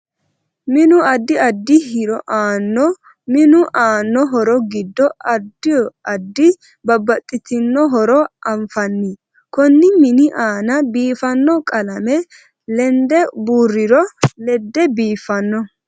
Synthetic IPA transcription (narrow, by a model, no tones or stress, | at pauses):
mɪnʊɐd̪ːɪɐd̪ːɪhɪɾɔʔaːnːɔ | mɪnʊʔaːnːɔɦɔɾɔɡɪd̪ːɔɐd̪ːɪjɔɐd̪ːɪ | bɐbːɐt̪ʼːɪt̪ɪnːɔɦɔɾɔʔɐɱfɐnːi | kɔnːɪmɪnɪʔaːnɐbiːfɐnːɔkʼɐlɐmɛ | lɛnd̪ɛbuːrːɪɾɔlɛd̪ːɛbiːfɐnːɔ